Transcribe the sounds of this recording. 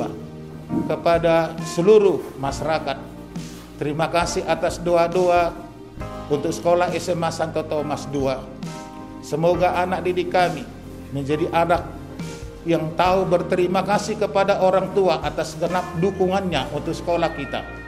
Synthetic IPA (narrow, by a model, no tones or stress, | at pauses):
a | kəpadasəluɾuhmaʃaɾakat̪̚ː | əɾimakasiɦat̪asdoadoa | unt̪ʊk̚sə̥kolahɛsɛmasant̪ot̪omasdoa | səmoɡaʔanak̚didikami | məɲd͡ʒadiʔanak̚ | jaŋt̪aubərt̪əɾimakasikəpadaʔoɾaŋt̪uaʔat̪asɡənap̚dukuŋanɲaʔunt̪ʊk̚sə̥kolahkit̪a̰